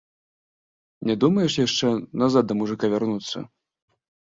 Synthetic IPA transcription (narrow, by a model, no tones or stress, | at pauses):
nʲɛd̪umɐjɛʂjaʂt͡ʂɛnazat̪̚d̪ɐmuʐɨkavʲarnut̪sːɐ̰